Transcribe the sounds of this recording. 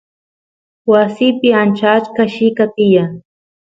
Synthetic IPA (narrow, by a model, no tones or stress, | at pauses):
wasɪpɪant͡ʃat͡ʃkaʃɪkat̪ɪja